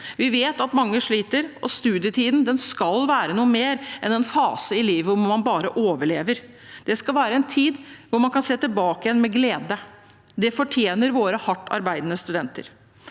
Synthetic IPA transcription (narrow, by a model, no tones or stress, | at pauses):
ʋɪʋeːt̪ɑt̪mɑŋːəʂɭiːt̪əɾʔɔst̪ʉːd̪ɪət̪ʰiːd̪n̩d̪ɛnskɑlʋæːɾənuːəmeːɾʔɛnɛnfɑ̰ːsəɪliːʋəɔmmɑnbɑːɾəʔoːʋəɭeːʋəɾ | d̪̥ɛskɑlʋæːɾəɛnt̪ʰiːd̪ʋʊɾmɑnkʰɑnseːt̪ɪlbɑːkəjɛnmɛɡleːd̪ə | d̪ɛfɔʈʰjeːnəɾʋoːɾəhɑʈːɑ̰ɾbæɪd̪nəst̪ʉd̪ɛnt̪ə̰ɾ